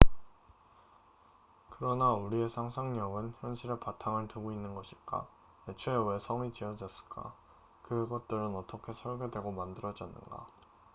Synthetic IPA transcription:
kɯɾʌnauɾie̞sʰaŋsʰaŋɲʌŋɯnçjʌnɕʰiɾepatʰaŋɯɭtuɡoinːɯnɡʌɕʰiɭk͈a̰ | et͡ɕʰeewe̞sʰʌŋit͡ɕiʌd͡ʑʌs͈ɯ̥ɭk͈a̰ | kɯɡʌt̚t͈ɯɾɯnʌt͈ʰʌkʰe̞sʰʌɭɡje̞dwe̞ɡomandɯɾʌd͡ʑʌnːɯ̰nɡa̰

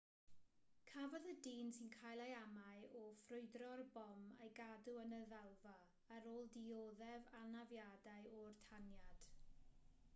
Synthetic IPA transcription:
kʰavɔðədiːnsinkʰajlˠajamaɨʔɔfrʊɨdrɔrbɔmḛjɡaduənəðalˠvaː | ɾoːlˠdioðɛvalˠnavjadaɨɔrtʰanjad̥

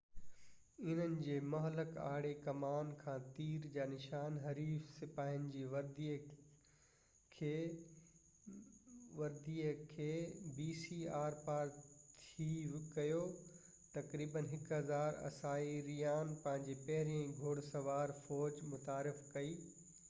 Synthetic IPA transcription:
ɪnənɪ̆d͡ʑeːmɐɦləka̰ːɽekɐmaːnkʰãːt̪iːɾd͡ʑaːnɪʃaːnɦɐɾiːfsɪpaːɪənɪ̆d͡ʑiːʋɐɾd̪iːə | kʰeː | ʋɐɾd̪iːəkʰeːbiːsiːaːɾpaːɾt̪ʰikɐjo | t̪ɐkɾiːbənɦɪkɦɐzaːɾɐ̰saːiɾijaːnpɐ̃ɦɪ̃ɲd͡ʑeːpɐɦɪɾijə̃ɡʱoːɽsɐʋaːɾfɔːd͡ʑmʊt̪aːɾɪfkɐiː

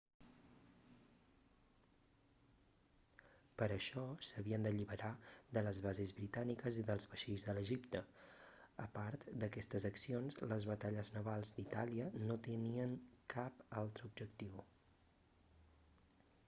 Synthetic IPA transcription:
pəɾəʃɔsəβiənd̪əʎiβəɾaðələzβazezβɾit̪anikəziðəlˠzβəʃiʎzðələʒipt̪ə | əpaɾt̪d̪əkɛst̪əzəksionzləzβət̪aʎəznəβalˠzd̪it̪aliənot̪əniəŋkapalˠt̪ɾəub̚ʒəkt̪iw

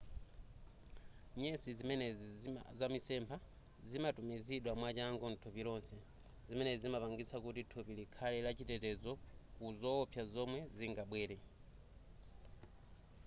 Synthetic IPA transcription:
ɲɛsizimɛnɛzamisɛmpʰa | zimatumiziɗwamwat͡ʃaŋɡɔn̩tʰɔpilɔnsɛ | zimɛnɛzimapaŋɡisakutitʰɔpilikʰalɛlat͡ʃitɛtɛzɔkuzɔːpʰjazɔmwɛziŋɡaɓwɛːɾɛ

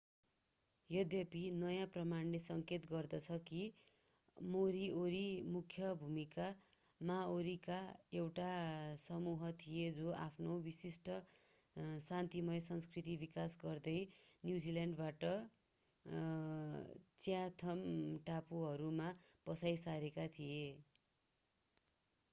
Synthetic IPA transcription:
jʌd̪jʌpinʌjãprʌmanlesʌŋket̪ɡʌrd̪ʌt͡sʰʌki | moɾioɾimukʰjʌbʱumika | maoɾikaewʈasʌmuɦʌt̪ʰijed͡zoʔapʰnobisisʈʌ | sant̪imʌjsʌnskrit̪ibikasɡʌrd̪ʌjnjud͡ziljaɳɖbaʈʌ | t͡sjat̪ʰʌmʈapuɦʌɾumapʌsajsaɾekat̪ʰije

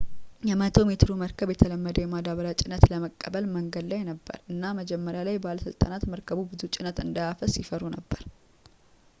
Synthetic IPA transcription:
jɛmət̪ʰo̞met̪ɨɾuməɾkʰəβjɛt̪ʰələmːəd̪əjɛmad̪aβəɾat͡ʃʼɪnːət̪ləməkʼːəbəlməŋɡəd̪lajnəbːə̰ɾɨnːaməd͡ʒɛmːəɾjalajbaləsɨlt̪ʼa̰nat̪məɾkʰəβubɨzut͡ʃʼɪnət̪ɨnd̪ajafəsːifəɾunəbːəɾ

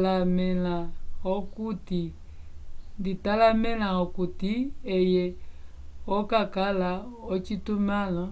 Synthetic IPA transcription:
lamɛlaɔkuti | nditalamɛlaɔkutiɛjɛ | ɔkakalaɔt͡ʃitumana

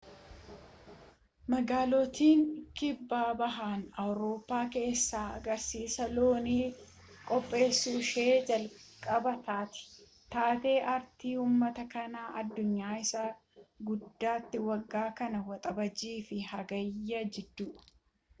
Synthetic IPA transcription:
mɐɡaːlot̪iːŋkɪbːaːbɐɦaːnɐwɾo̞ːpːaːke̞ːsːaːɐɡɐɾsiːsɐloːniː | kʼɔpʼːe̞ːsːuːʃe̞ːd͡ʒɐlkʼɐbɐt̪aːt̪ɪ̥ | t̪aːt̪e̞ːʔɐɾt̪iːuːmːɐt̪ɐkɐnaːʔɐd̪ːʊɲːaːɪsaː | ɡʊd̪ːaːt̪ːɪwɐɡːaːkɐnɐwɐt̪ʼɐbɐd͡ʒiːfɪhɐɡɐjːɐd͡ʒɛd̪ːʊ

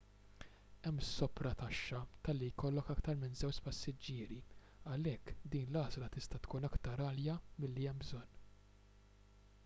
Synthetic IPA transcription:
ɛmːsːɔpɾɐt̪ɐʃːɐt̪ɐlːijkɔlːɔkɐkt̪ɐɾmɪnzɛwt͡ʃpɐsːɪd͡ʒːɪːɾi | ɐlɛkːd̪iːnlɐːzlɐt̪ɪst̪ɐt̪kuːnɐkt̪ɐɾɐːljɐmɪlːiɛmbzɔnː

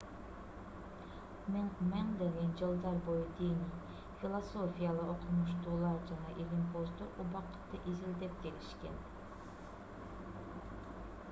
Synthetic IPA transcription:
menmɛŋd̪eɡʲɛnd͡ʒɨlˠd̪ɑɾbojd̪inɪ | filˠosofijalˠəʔoqʰˠmuʃt̪uːlˠɑɾd͡ʒɑnɑʔilimpʰozt̪uʔubɑqːə̥t̪ːɨʔizɪld̪ɛp̚kʲelɪʃkʲɛn

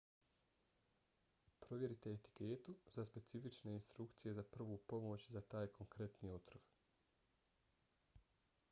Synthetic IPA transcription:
pɾo̞ʋje̞ɾit̪e̞ːt̪i̥keːt̪uzaspe̞t̪sifit͡ʃne̞inst̪ɾukt̪sije̞zapr̩ʋoːpo̞mo̞ːt͡ɕzat̪aːjkʰo̞ŋkɾe̞t̪niːot̪ɾoʋ

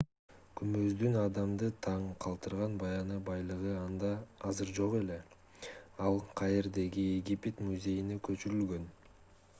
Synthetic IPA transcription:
kʰymø̞zd̪ynɑd̪ɑmd̪ɯt̪ʰɑɴqʰɑlˠt̪ɯɾʁɑnbɑjɑnɯbɑjlˠɯʁɯɑnd̪ɑɑzɯɾd͡ʒo̞ʁe̞le̞ | ɑlˠqʰɑjeɾd̪e̞ɡʲieɡʲipʲet̪muzʲe̞jinekø̞t͡ʃyɾylɡø̞n

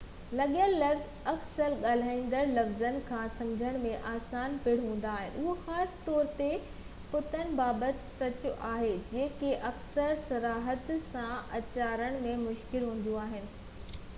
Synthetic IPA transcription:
lɐɠəllɐfz | ɐksəlɠaːl̤aːĩːnd̪əɾlɐfzənɪ̆kʰãsɐ̃md͡ʑʱəɽ̃mẽʔaːsaːnpɪɽ̤ɦũːn̆d̪aːɦɪnɪ̆ʊɦoxaːsɪ̥t̪ɔːɾt̪e | pʊt̪ʰənɪ̆baːbət̪sɐt͡ɕʊʔaːɦed͡ʑeːkeʔɐksəɾsɐɾaːɦət̪sãʔɐt͡ɕaːɾəɽ̃mẽmʊʃkɪlɦũːn̆d̪uaːɦɪnɪ̆

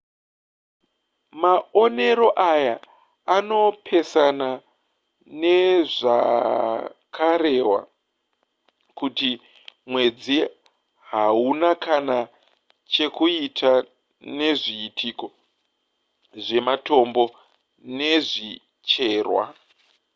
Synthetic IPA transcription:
maone̞ɾo̞ʔajaː | no̞pʰe̞sana | ne̞ʐa̰ | kʰaɾe̞wa̰ | kuti | mwe̞d͡zi | ɦaunakana | t͡ʃe̞kuitʰa | ne̞ʐiːtʰiko̞ | ʐe̞mato̞mbo̞ | ne̞ʐi | t͡ʃe̞ːrwa̰

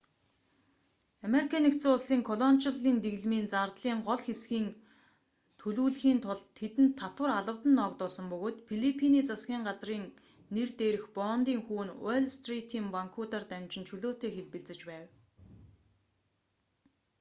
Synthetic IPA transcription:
ameɾikʰanekt͡suːsiːŋkʰɔɮɔnt͡ɕaɮiːnt̪eɣɮmiːnt͡sart̪ɮiːŋɢɔɮxesɡiːn | t̪ʰɵɮuːɮxiːnt̪ʰʊɮʰet̪ɘ̆nt̪ʰːat̪wə̆raɮə̆wt̪ə̆nːɔːkt̪ʊːɮsə̆mpɵɣoːt̪pʰiɮipʰiniːt͡sasɡʲiːŋɢat͡sriːŋ | nert̪eːɾɘ̆xpɔːnt̪iːŋxuːnweɮst̪rit̪ʰiːmpaŋkʰut̪art̪æmt͡ɕɪ̆nt͡ɕʰɵɮoːt̪eːxeɮpɘ̆ɮt͡sɘ̆t͡ɕpæːw

